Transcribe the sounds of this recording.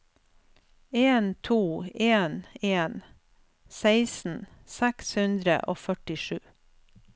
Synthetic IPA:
eːnt̪ʰuːeːneːn | seɪsn̩sækshʉnd̪ɾə̰ʔo̰ːfœʈɪʃʉː

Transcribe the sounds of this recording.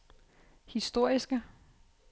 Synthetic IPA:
hisd̥o̝ɐ̰isɡ̥ə

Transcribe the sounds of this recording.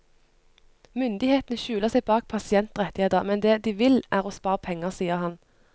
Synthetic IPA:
mʏnd̪ɪheːt̪n̩əʃʉːləʁsɛɪbɑːk̚pʰɑsɪɛnt̪ʁɛt̪ɪeːd̪əmɛnd̪eːd̪iːʋɪlʔæːʁoːspɑːʁəpʰɛŋːəsiːəʁhɑn

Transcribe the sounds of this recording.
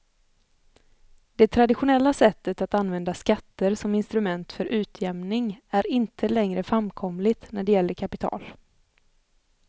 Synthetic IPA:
d̪̥ɛt̪ʰɾad̪ɪɧʊnɛlːasɛt̪ːət̪at̪anvɛnd̪askat̪ːəɾsɔmɪnst̪ɾɵmɛnt̪fœɾʔʉ̟ːt̪ʰjɛmnɪŋæɾɪnt̪ʰəlɛŋɾəfɾamkʰɔmlɪt̪næɖɛjɛlːəɾkʰapɪt̪ʰɑ̰ːl

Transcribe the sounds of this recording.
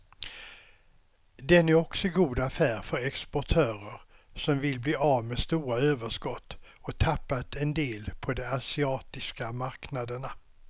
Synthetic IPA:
d̪ɛnæɾɔksɔɡuːd̪afæːɾfœɾɛkspɔʈʰøːɾəɾ | sɔmvɪlbliːavmeːst̪uːɾaøːvəʂkɔt̪ː | ɔt̪ʰapːat̪ʰɛnd̪eːlpʰɔd̪ɛasɪɑːt̪ɪskamaɾknad̪əɳa

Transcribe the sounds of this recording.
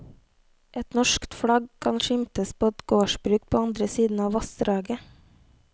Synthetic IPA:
ʔɛt̪nɔʃkt̪fɽɑɡkʰɑnʃɪmt̪əspʰoːɛt̪ɡoːʃbɾʉːk̚pʰoːɑnd̪ɾəsiːd̪n̩ɑːʋɑst̪ɾɑːɡə

